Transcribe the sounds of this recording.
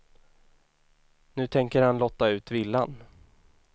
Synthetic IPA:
nʉ̟ːt̪ʰɛŋkəɾhanlɔt̪ːaʉ̟ːt̪vɪlːa̰n

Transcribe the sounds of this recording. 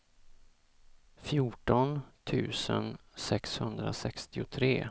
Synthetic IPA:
fjuːʈɔnt̪ʰʉ̟ːsə̰nsɛkshɵnd̪ɾa̰sɛkst̪ɪʊt̪ʰɾeː

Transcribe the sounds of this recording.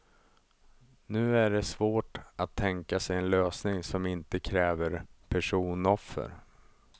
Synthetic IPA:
nʉ̟ːæɖɛsvoːʈat̪ʰːɛŋkasɛjɛnløːsnɪŋsɔmɪnt̪əkʰɾɛːvəɾpʰæʂuːnɔfːə̰ɾ

